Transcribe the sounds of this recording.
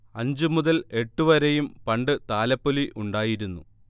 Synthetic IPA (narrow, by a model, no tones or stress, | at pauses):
ɐɲd͡ʑɨmuðɐle̞ʈːuʋɐɾɐjumpɐɳɖɨt̪aːlɐpːoliʔuɳɖaːjiɾunːṵ